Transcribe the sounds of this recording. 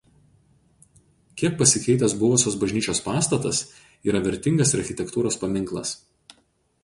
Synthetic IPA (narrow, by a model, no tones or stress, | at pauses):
kʲiɛk̚pɐsʲɪkʲɛɪt̪ɐs̬bʊʋʊsʲoːsbɐʒʲnʲiːt͡ʃʲoːspɑːst̪ɐt̪ɐs | iːɾɐʋʲɛɾʲˑt̪ʲɪŋɡɐsɐɾxʲɪt̪ʲɛkt̪uːɾoːspɐmʲɪŋˑklˠɐ̰s